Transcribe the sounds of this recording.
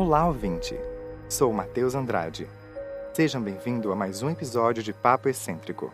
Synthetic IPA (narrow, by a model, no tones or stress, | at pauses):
ɐ̃wlaovĩnt͡ʃɪ̰sowmat̪ewzɐ̃nd̪ɾa̰d͡ʒɪ̰ | seʒɐ̃w̃bẽj̃vĩnd̪ʊamajzũepizɔd͡ʒiʊd͡ʒɪpapʊesẽnt̪ɾikʊ̰